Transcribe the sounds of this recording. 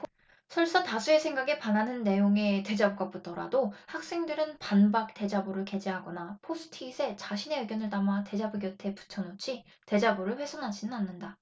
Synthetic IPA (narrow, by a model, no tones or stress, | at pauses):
sʰʌɭs͈ʌtasʰue̞sʰe̞ŋɡaɡepananɯnːe̞joŋe̞te̞d͡ʑabuɡaputʌɾa̰dohak̚s͈e̞ŋdɯɾɯnpanbak̚te̞d͡ʑaboɾɯɭke̞d͡ʑeɦaɡʌnapʰosʰɯ̥tʰiːsʰe̞t͡ɕaɕʰine̞eɡjʌnɯɭtamate̞d͡ʑabuɡjʌtʰe̞pu̥t͡ɕʰʌnot͡ɕʰi | te̞d͡ʑabuɾɯɭɸwe̞sʰonɦad͡ʑinɯnanːɯnda